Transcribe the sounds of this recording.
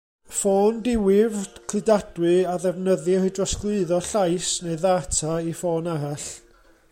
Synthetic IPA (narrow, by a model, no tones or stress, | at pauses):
foːndɪwɪvkʰl̥ɨdad̥wɨaðɛvnəðɨhɨdrɔsklˠʊɨðɔɬajsneɨðaːtʰaifoːnaɾaɬ